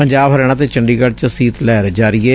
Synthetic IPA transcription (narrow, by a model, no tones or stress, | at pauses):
pəɲd͡ʒaːbɦəɾɛːɽ̃ãːt̪̬eːt͡ʃəɳɖiːɡəɽt͡ʃsiːt̪lɛːɾd͡ʒaːɾɪeː